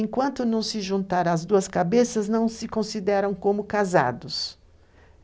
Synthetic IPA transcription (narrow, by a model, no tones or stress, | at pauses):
ẽŋkwɐ̃nt̪ʊnɐ̃w̃sɪʒũnt̪aɾɐzd̪uɐskabesɐznɐ̃w̃sɪkõsid̪ɛɾɐ̃w̃kõmʊkaza̰d̪ʊs